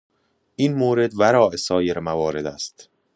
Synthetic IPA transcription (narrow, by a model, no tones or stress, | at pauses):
ʔiːnmoːɾe̞d̪væɾɒːʔesɒːje̞ɾmævɒːɾe̞d̪æst̪